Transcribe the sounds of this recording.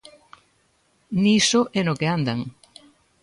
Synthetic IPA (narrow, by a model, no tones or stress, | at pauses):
nisoʔɛnokeand̪aŋ